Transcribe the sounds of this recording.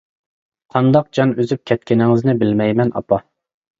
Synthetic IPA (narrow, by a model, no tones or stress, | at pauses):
qʰɑnd̪ɑq̚d͡ʒɑnøzyp̚kʲʰɛt̪̚kʲɪnɪŋɪznɪbɪlmɛjmɛnɑ̰pɑ